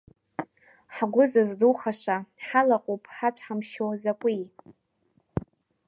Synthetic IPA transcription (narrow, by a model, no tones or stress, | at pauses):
ħɡʷʊzɨzduχaʂʷaħalaqʼopʼħatʷʰʼħamʃowzakʷʼi